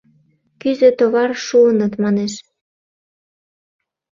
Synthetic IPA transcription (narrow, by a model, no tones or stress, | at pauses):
kyzø̆t̪oβɑrʃuənət̪mɑneʃ